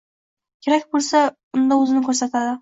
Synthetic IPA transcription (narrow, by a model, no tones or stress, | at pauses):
kʲʰeɾæk̚ʲbulˠsa | ʊnd̪awɵzɪ̆nəkʲʰɵɾsat̪ad̪ə